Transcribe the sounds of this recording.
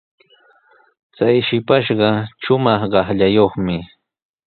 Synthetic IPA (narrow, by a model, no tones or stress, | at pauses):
t͡sajʃɪpaʃɢɑʃʊmɑχɢɑχʎajoχmɪ